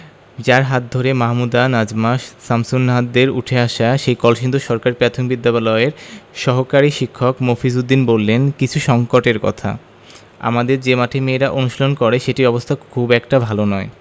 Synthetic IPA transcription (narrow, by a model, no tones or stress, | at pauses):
d͡ʑaɾɦat̪̚d̪ʱoɾemaɦmud̪anad͡ʑmaʃsamsunːɦad̪eɾṵʈʰeaʃaʃejkɔlʃind̪oʃɔɾkaɾipɾɛt̪ʰonbid̪ːaβalɔeɾʃɔɦokaɾiʃikʰːokmofisud̪ːinbolːenkit͡ɕʰuʃɔŋkoʈeɾkɔ̰t̪ʰa̰ | a̰mad̪eɾd͡ʑemaʈʰemeːɾaʔonuʃolonkɔɾeʃeʈiɔbost̪ʰakʰubɛkʈabʱalonɔe